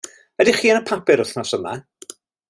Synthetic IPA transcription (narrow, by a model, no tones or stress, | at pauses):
ədɪχiːənəpʰapɪɾʊθnɔsəma̰